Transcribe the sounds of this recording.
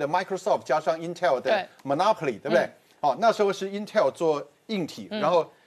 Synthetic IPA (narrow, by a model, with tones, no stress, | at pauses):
d̪ə˩ma˥ɪkʰɹo˥˧sɔ˥˩ft̚t͡ɕja˥ʂɑ˥˧ŋi˥nt̪ʰɛ˥˩ld̪ə˦˧mə˨˧na˥pʰo˨li˨t̪we˥˩bd̪e˥˩ | ɔ˥˧˩na˥˩ʂ̩˧˥xo˥˧ʊʂɻ̩˥˩i˥nt̪ʰɛ˥˩lt͡swɔ˥˧ | i˥˩ŋt̪ʰḭ˨˩˦ɻa˧˥nxo˥˩ʊ